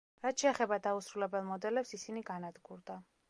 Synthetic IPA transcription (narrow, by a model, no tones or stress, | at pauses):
ɾat̪ʃʰɛːχɛbad̪ausɾulɛbɛlˠmɔd̪ɛlɛpsisiniɡanad̪ɡuɾd̪a